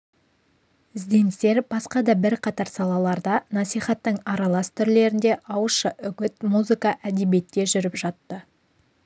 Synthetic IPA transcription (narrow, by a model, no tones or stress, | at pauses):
ɪzd̪e̞nɪst̪e̞ɾb̥ɑsqɑd̪ɑbɪɾqʰɑt̪ɑɾsɑlˠɑlˠɑɾd̪ɑnɑsijχɑt̪ːəɴɑɾɑlˠɑst̪ʰʏɾle̞ɾɪnd̪e̞ʔɑwəʃəʔʏɡʲɪt̪muzɨkɑʔæd̪e̞bie̞t̪ːe̞ʒʏɾɪpʒɑt̪ːə